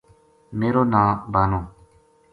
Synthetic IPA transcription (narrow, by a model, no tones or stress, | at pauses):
meːɾoːnãːbaːnõː